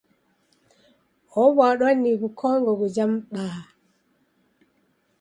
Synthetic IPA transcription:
ɔwaɗanːikukʰɔŋɡɔɡɔd͡ʒamɓa

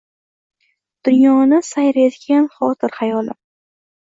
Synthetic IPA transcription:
d̪̥ʊnjɒnɪsajɾezɡʲanχɒt̪ʰɪɾhajɒlɪ̰

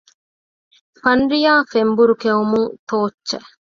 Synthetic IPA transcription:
fɐnɾijaːfembuɾukeumuŋt̪oːt͡ʃːt͡ʃːɐ

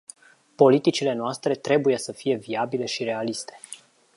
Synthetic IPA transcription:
po̞lit̪it͡ʃile̞noast̪ɾe̞t̪ɾe̞buje̞səfije̞viabile̞ʃiɾe̞alist̪e̞̥

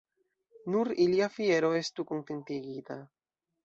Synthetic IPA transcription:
nuɾiliafieɾoest̪ukunt̪ent̪iɡit̪a

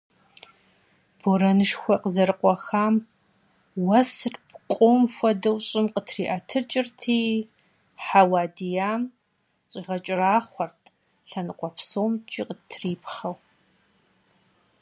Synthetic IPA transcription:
b̥oɾɐnɨʂxʷɔqəzɐɾɨqʷʼɔxaːm | wɐsrpqʷʼoːmfʷɔdɐwɕʼɪmqətʰriːʔɐtʰɨt͡ʃʼɪrtʰiː | ħawaːdijaːm | ɕʼiːʁɐt͡ʃʼɪraːχʷɔrtʰ | ɬɐnɨqʷɔpʰsoːmt͡ʃʼiqətʰriːpʰχɐw

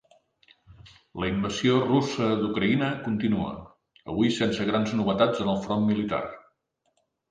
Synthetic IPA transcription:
ləimbəziorusəd̪ukɾəinəkunt̪inuə̰ | ə̰βuisensəɣɾanznuβət̪ad͡zənəlˠfɾɔnmilit̪a̰r

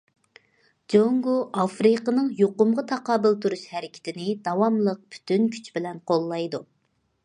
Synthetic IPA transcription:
d͡ʒoŋɡoʔɑfɾɨqənɨŋjoqʊmʁɑt̪ʰɑqɑːbɪlˠt̪ʰuɾuʃhɛɾɪkʲʰɪ̥t̪ʰɪnɪd̪ɑwɑmlˠəq̚pʰy̥t̪ynkʲʰy̥t͡ʃbɪlɛnqʰolˠːɑjd̪u

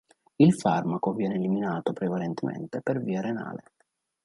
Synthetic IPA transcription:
ilfarmakovjɛːneːliminaːt̪opɾevalent̪ʰemḛnt̪eperviːaɾena̰ːlḛ

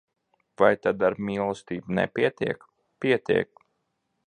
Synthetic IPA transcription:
vajt̪ad̪aɾmiːlˠɔst̪iːbnɛ̰pʲiɛt̪iɛk | piɛt̪iɛk̚

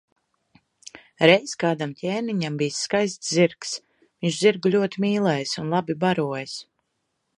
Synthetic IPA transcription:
ɾɛjskaːd̪amtʲʰeːniɲambijsːkajst̪sziɾks | viɲʒziɾɡulʲuɔt̪imiːlˠɛjsunlˠabibaɾuɔjs

